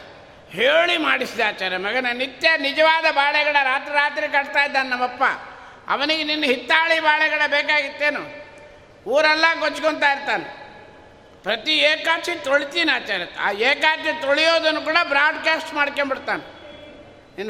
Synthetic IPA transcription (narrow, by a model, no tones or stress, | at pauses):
heːɭimaːɽisid̪aːt͡ʃaːɾjɐmɐɡɐnɐnːit̪jɐnid͡ʒɐʋaːd̪ɐbaːɭɛɡɐɽɐɾaːt̪ɾiɾaːt̪ɾikɐɽt̪aːjd̪ːaːnnɐmːɐpːa̰ | ɐ̰ʋɐniɡeninːɐɦit̪ːaːɭibaːɭɛɡɐɽɐbɛːkaːɡit̪ːe̞ːnu | uːɾɛlːɐɡot͡ʃːkoɳt̪aːiɾt̪aːne | pɾɐt̪ieːkaːt͡ʃit̪oɭit̪iːnaːt͡ʃaːɾjɐa̰ːeːkaːt͡ʃjɐt̪oɭijoːd̪ɐnːukuːɽɐbɾaːɖkaːsʈmaːɽkembiɽt̪aːne | ninː